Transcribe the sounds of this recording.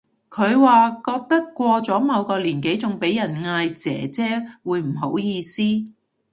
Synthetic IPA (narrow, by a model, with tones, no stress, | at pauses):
kʰɵ˨˧ɥwaː˨kɔː˧k̚t̪ɐ˥kkːʷɔː˧t͡sɔː˨˥mɐ˨˧wkɔː˧liː˨˩nke˨˥jt͡sʊ˨ŋpe˨˥jɐ˨˩nŋaː˧jt͡sɛ̰ː˨˥t͡sɛː˥wuː˨˧jm̩˨˩ɦo˨˥wjiː˧siː˥